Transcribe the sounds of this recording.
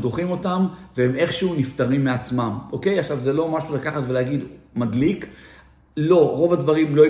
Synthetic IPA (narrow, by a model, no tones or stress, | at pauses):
d̪oχimo̞t̪amveheme̞χʃuhunift̪aʁimːeat͡smamʔo̞ke̞jaχʃavzelo̞maʃulakaχat̪velehaɡid̪madlik | lo̞ʁo̞vad̪vaʁimlo̞